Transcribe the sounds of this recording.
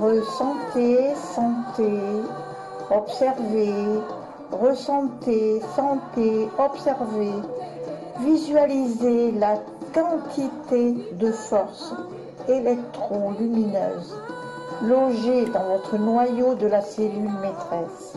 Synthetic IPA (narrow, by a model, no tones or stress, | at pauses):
ʁəsɑ̃t̪esɑ̃t̪e | ɔpsɛʁve | ʁəsɑ̃t̪esɑ̃t̪eɔpsɛʁve | vizɥalizela | kɑ̃t̪ʰit̪ed̪əfɔʁs | elɛk̚t̪χolyminø̰ːz | lɔʒed̪ɑ̃vɔt̪χənwajod̪əlaselylmet̪χɛs